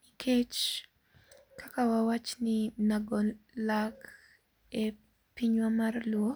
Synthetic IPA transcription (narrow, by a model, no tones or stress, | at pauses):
ikʰet͡ʃ | kʰakawawat͡ʃnɪnaɡɔlak | e | piɲwamarlwɔ